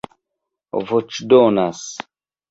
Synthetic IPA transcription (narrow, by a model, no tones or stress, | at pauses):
vot͡ʃdonas